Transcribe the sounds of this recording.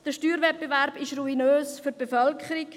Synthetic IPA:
d̥əʃtyːɾvɛt̚b̥eʋɛɾb̥ɪʃruinøːsfyt̚b̥efœlkχəɾik

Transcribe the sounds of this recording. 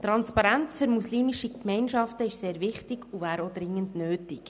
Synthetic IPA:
t̪ɾɑnspɑɾænt͡sføɾmusliːmiʃikmɛɪnʃɑftəɪʃseːɾʋɪχtɪɡ̥uvæːɾod̪ɾɪŋːəndnøːtɪk

